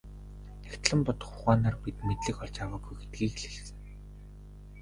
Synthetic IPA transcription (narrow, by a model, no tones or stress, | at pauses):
nækt̪ɮə̆mpɔt̪ɞ̥̆χʊʁaːnaːrpit̪met̪ɮɘ̆kɔɮt͡ɕawaːɡujɡet̪̚ɡiːkɮeɮsɘ̆ŋ